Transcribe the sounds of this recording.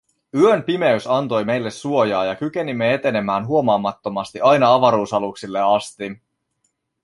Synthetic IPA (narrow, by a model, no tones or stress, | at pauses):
yønpime̞ysɑnt̪o̞jme̞jlːe̞sːuo̞jɑːjɑkyk̟e̞nimːe̞e̞t̪e̞ne̞mæːnɦuo̞mɑːmɑt̪ːo̞mɑst̪iʔɑjnɑɑʋɑɾuːsɑluksilːe̞ɑst̪i